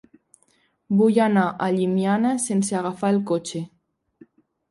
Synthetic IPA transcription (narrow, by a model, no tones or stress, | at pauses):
bujanaʔaʎimjanasenseaɣafaelˠkot͡ʃe